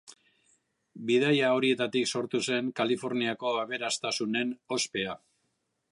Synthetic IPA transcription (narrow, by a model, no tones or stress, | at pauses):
bið̞ajao̞ɾie̞t̪at̪ikso̞ɾt̪use̞ŋkalifo̞ɾniako̞aβe̞ɾast̪asune̞no̞spe̞a